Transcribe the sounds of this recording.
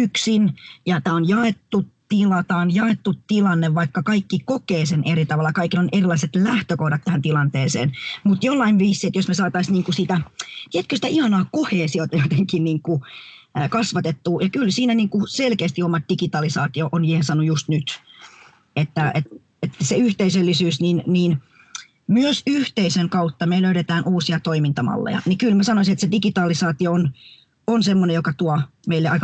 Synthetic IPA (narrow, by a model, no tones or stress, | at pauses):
yksinjɑt̪æːonjɑet̪ːut̪ilɑt̪æːonjɑet̪ːutt̪ilɑnːeʋʋɑikːɑkɑikːikokeːseneɾit̪ɑʋɑlːɑkɑikilonerilˑɑiset̪læht̪økohdɑt̪tːæhænt̪ilɑnt̪eːsḛːnmut̪jolːɑiʋʋiːsːiet̪josmesɑːt̪ɑisniːŋkusit̪æt̪iet̪̚køsit̪æʔihɑnɑːkoheːsiot̪ɑjot̪eŋkinniːŋku | kɑsʋɑt̪et̪ːuːjɑkylsiːnæniːŋkuselkeːst̪iomɑt̪̚d̥ikit̪ɑlisɑːt̪ioʔonjiːhensɑnːujust̪nyt̪ | et̪ːæet̪ | et̪seyht̪eisølːisyːsninniːn | myøsyht̪eiseŋkɑut̪ːɑmeiløyɾet̪æːnʔuːsiɑt̪oimint̪ɑmɑ̰lːḛjɑ̰nikylmæsɑnoisinet̪sedikit̪ɑːlisɑːt̪ioon | onsemːonejokɑt̪uɑmeilːeɑik